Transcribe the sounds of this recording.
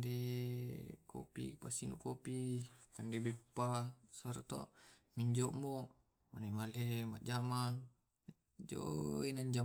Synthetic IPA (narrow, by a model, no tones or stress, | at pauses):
de | ko̰pḭpasinṵkopikandebɛpːasaɾat̪o̰ʔ | miɲd͡ʒoʔmoʔ | manemalemaʔd͡ʒamaŋ | d͡ʒo̰inaɲd͡ʒa